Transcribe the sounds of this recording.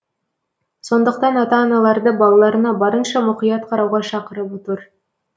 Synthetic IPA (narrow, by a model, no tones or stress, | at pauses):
so̞nd̪ɤ̆q̚t̪ɑnɑt̪ɑːnɑlˠɑɾd̪ɤbɑlˠɑlˠɑɾɤ̆nɑbɑɾɤnʃɑmuqijɑt̪qʰɑɾɑwʁɑʃɑqəɾɤput̪ɤɾ